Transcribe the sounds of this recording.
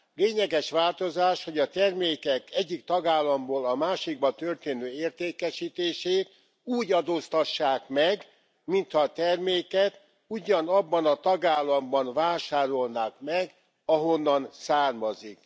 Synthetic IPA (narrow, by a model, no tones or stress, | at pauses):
leːɲɛɡɛʃʋaːlt̪o̞zaːʃho̞ɟɒt̪ɛrmeːkɛkɛɟːikt̪ɒɡaːlːɒmboːlɒmaːʃiɡ̚bɒt̪ørt̪eːnøːeːrt̪eːkɛʃiːt̪eːʃeːt̪ | uːɟɒd̪oːst̪ɒʃːaːkmɛɡ | mint̪hɒːt̪ɛrmeːkɛt̪ | uɟɒnɒbːɒnɒt̪ɒɡaːlːɒmbɒnvaːʃaːɾo̞lnaːkmɛɡ | ɒɦo̞nːɒnsaːrmɒzik